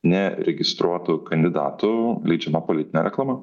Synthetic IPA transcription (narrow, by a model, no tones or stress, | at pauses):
nʲɛɾʲɛɡʲɪst̪ɾuɔt̪ʊkɐnʲd̪ʲɪd̪ɑ̰ːt̪ʊlʲɛɪd͡ʒʲɛmɐpolʲɪt̪ʲɪnʲeːɾʲɛklˠɑːmɐ